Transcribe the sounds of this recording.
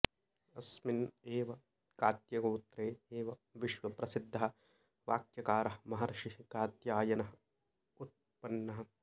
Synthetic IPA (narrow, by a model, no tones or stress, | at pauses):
ɐsmineːʋɐ | kaːt̪jɐɡoːt̪ɾeːeːʋɐʋiʃʋɐpɾɐsid̪ʱːɐɦɐ̆ | ʋaːkjɐkaːɾɐɦɐmɐɦɐɾɐʃikaːt̪jaːjɐnɐɦɐ | ut̪̚pɐnːɐɦɐ